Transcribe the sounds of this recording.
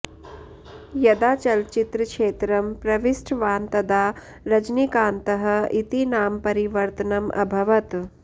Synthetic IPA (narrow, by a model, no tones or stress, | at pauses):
jɐd̪aːt͡ʃɐlt͡ʃit̪ɾɐkʂeːt̪ɾɐmpɾɐʋisʈʰʋaːnt̪ɐd̪aː | ɾɐd͡ʒnikaːnt̪ɐɦɐ̆it̪inaːmpɐɾiʋɐɾt̪ɐnɐmʔɐ̰bʱɐʋɐt̪